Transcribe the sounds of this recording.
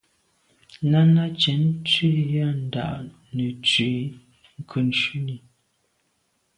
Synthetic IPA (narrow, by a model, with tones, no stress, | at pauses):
na˦na˦t͡ʃɛ˨˦nt͡ʃi˦ja˦n̩˨da̰˨ʔ | nə˨t͡ʃwi˨˦ | ŋ̩˨kʰə˨n˨t͡ʃʉ˦ni˨